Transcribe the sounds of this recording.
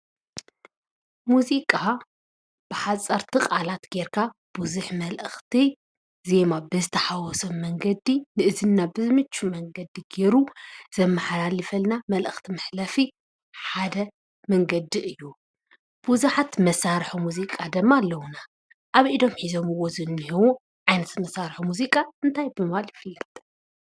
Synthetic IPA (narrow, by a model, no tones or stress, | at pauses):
muzikʼa | b̥ɨħat͡sʼɐɾt̪ʰɨqʼalat̪ɡe̞ɾkʰab̥uzuħmɐlʔɨxt̪ʰi | ze̞mabɨzɨt̪ʰɐħawɔsɐmːɐŋɡɐd̪inɨʔɨzɨnːabɨzɨmɨt͡ʃːumɐŋɡɐd̪iɡe̞ɾuz̥ɐmːɐħalalɨfɐlnamɐlʔɨxt̪ʰimɨħlafi | ħad̪ɐ | mɐŋɡɐd̪iʔɨjːu | b̥uzuħat̪mɐsaɾħumuzikʼad̪ɨmːalːɐwuna | ʔaβʔid̪o̞mħizomɨwːozɨnːiɦiwu | ʕajnɐt̪mɐsaɾħumuzikʼaɨnt̪ʰajbɨmɨβaljɪfɨlːɐt̪ʼ